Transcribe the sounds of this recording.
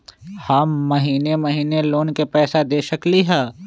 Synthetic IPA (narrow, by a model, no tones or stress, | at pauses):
haːmːɐɦiːnemɐɦiːneloːnkepɛːsad̪eːʃəkliɦɛː